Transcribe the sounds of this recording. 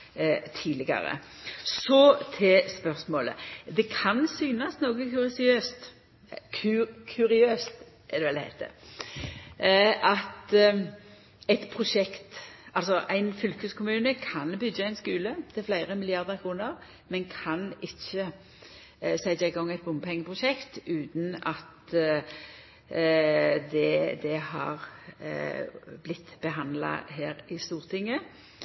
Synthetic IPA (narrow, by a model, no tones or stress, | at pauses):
t̪ʰiːlɪɡɑ̰ɾə̰sɔt̪ʰɛspœʁsmoːlə̰d̪ɛkʰɑnsyːnɑsnoːɡəkʉɾɪsɪøːst̪ | kʰkʰʉɾɪøːst̪ | ʔɛd̪ɛʋɛld̪hæɪt̪ə̰ | ɑt̪ | ɛɪt̪pʰʁʊʂɛkt̪ɑlsɔʔæɪnfʏlkəskʰʊmʉːnəkʰɑnbʏɡəæɪnskʉːlət̪ʰɪflæɪʁəmɪlɪɑʁd̪əʁkʰʁuːnəʁ | mɛnkʰɑnɪçːə | sæɪd̪æɪɡɔŋːæɪt̪̚bʊmpʰɛŋːəpʰʁʊʃɛkt̪ʉːt̪n̩ɑt̪ | d̪ɛd̪ɛhɑ̰ːʁ | blɪt̪ːb̥əɦɑnd̪lɑ̰ɦeːʁɪst̪uːʁt̪ʰɪŋːə